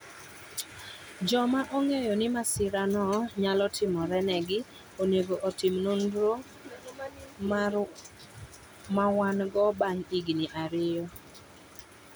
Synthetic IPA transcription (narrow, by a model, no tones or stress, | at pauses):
d͡ʒɔmaʔɔŋejɔnɪmasɪɾanɔɲalɔtʰɪmɔɾɛnɛɡɪ | oneɡoʔotɪmnondɾo | mawanɡɔbaŋiɡniʔaɾɪjɔ